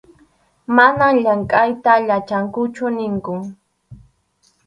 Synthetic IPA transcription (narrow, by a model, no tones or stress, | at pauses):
manaŋʎaŋkʼajt̪aʎat͡ʃaŋkʊt͡ʃʊnɪŋkʊ